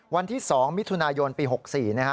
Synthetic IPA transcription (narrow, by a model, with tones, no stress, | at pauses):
wa˧nt̪ʰiː˥˩sɔː˩˦ŋmi˦˥t̪ʰu˧naː˧jo˧npiː˧ɦo˨˩k̚siː˨˩na˦˥kʰa˦˥